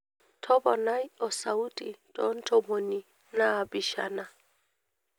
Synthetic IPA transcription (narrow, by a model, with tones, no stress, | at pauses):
tʰɔ˦bɔ˨na˦i˦ɔ˨sa˨u˦tʼi˨tʼɔ̰˨˦n̩˦tʰɔ˨mo˨ni˨ | naː˦˨bi˨ʃa̰˨na˨